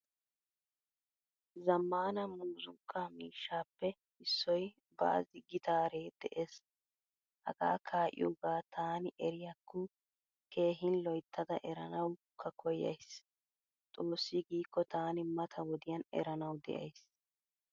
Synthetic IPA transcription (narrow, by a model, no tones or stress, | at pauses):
zɐmːaːnɐmuːzʊŋkʰʼːamiːʃːaːpːɛ | ɪsːɔj | ba̰ːzɪɡɪt̪aːɾe̞ːd̪̥ɛʔeːs | hɐ̰ɡa̰ːkʰaːʔɪ̰jʊɡaːt̪ʰaːnɪʔɛɾɪjɐkːʊ | kʰe̞ːɦɪnlɔjt̪ʰːɐd̪ɐ̰ʔɛɾɐnɐwkʰːɐkʰɔjɐ̰js | t̪ʼo̞ːsːɪɡiːkːɔt̪aːnɪmɐt̪ʰɐwɔd̪ɪjɐnɛ̰ɾɐnɐwd̪ɛ̰ʔɐ̰js